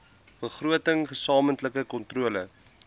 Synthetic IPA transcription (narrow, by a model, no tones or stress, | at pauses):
b̥əχruətəŋχəsɑːməntləkəkɔntruələ